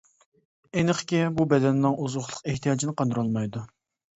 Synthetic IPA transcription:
enɪqʰə̥kʲibubɛd̪ɛnnɨŋʔuzʁʊχlˠə̥qeht̪ʰijɑːd͡ʒinɪqɑnd̪ɨɾolˠmɑjd̪u

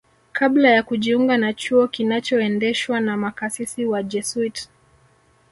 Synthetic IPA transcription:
kʰablajakuʄiuŋɡanat͡ʃuɔkinat͡ʃɔɛndɛʃwanamakasisiwad͡ʒɛsuit

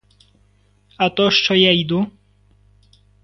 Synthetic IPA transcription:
at̪ɔʂt͡ʂɔjaid̪u

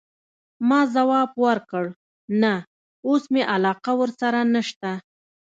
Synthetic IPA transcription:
mɑzawɑbwəɾkəɽ | na | osmeʔalɑqawəɾsaɾanəʃt̪a

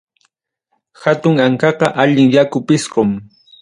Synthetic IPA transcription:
xat̪ʊŋaŋkɑqɑʔaʎɪŋjakʊpɪsqʊm

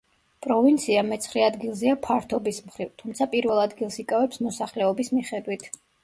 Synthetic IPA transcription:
pʼɾɔvint̪sʰiamɛt̪sʰχɾɛad̪ɡilˠzɛapʰaɾt̪ʰɔbismχɾivt̪ʰumt̪sʰapʼiɾvɛlˠad̪ɡilˠsikʼavɛpsmɔsaχlɛɔbismiχɛd̪wit̪ʰ

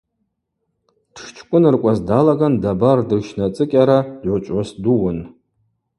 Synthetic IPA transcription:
d̥ʰʂt͡ʃʰkʷʼʊnɨrkʷʼazdalaɡandabardɨrʃnat͡sʼɨkʲʼaɾadʕʷat͡ʃʷʼasduwʊn

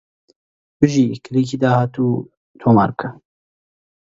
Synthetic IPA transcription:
bɨʒiːkʰlikid̪aːhaːt̪uː | t̪ʰoːma̰ːɾkʰə

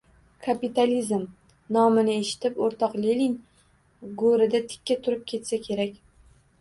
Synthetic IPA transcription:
kʰapit̪alizm | nɒmɪnɪeʃɪ̥t̪ɪpoɾt̪ʰɒqlelɪŋ | ɡoɾɪd̪at̪ʰɪ̥kʲːat̪ʰʊɾɪp̚kʲʰe̞t̪sakʲʰe̞ɾakʲ

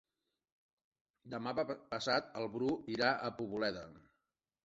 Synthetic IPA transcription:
d̪əmapəpəsat̪əlˠβɾuiɾaʔəpuβulɛðə̰

